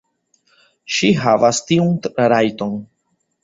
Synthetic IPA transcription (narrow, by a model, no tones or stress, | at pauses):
ʃiɦavastiunɾajto̞n